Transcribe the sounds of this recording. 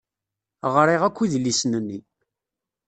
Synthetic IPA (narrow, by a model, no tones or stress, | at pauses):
ʁɾˤiʁækʷːiðlːisnənːi